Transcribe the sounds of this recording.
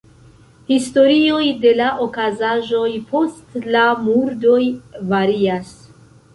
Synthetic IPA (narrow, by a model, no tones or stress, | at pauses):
histo̞ɾio̞jde̞laʔokazaʒo̞jpo̞stlamuɾdojvaɾias